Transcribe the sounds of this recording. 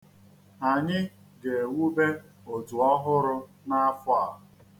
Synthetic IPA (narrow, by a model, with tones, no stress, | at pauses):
a˨ɲɪ˦ | ɡe˨wu˦be˦ | o˨tu˨ɔ˦ɦʊ˦ɾʊ˦ | na˦a˦fʊ˦a˨ɦʊ˨